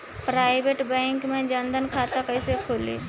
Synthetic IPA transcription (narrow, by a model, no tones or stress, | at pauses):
pɾaːɪʋeːʈbɛ̃ːŋkmẽd͡ʒə̃nd̪ənkʰaːt̪akəisekʰolḭ